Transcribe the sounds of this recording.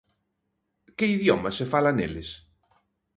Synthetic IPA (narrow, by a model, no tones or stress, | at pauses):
kɪiðjɔmɐsefalanḛlɪs